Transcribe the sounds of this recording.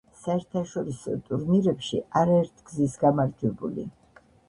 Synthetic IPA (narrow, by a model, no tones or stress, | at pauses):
saɛɾt̪ʰaʃɔɾisɔ̰t̪ʼuɾniɾɛpʃiaɾaɛɾt̪ʰɡ̥zisɡamaɾd͡ʒɛbṵlḭ